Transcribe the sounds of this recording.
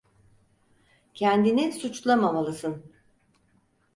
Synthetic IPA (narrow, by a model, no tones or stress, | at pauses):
cʰɛnd̪inisut͡ʃlˠamamalˠɯsɯn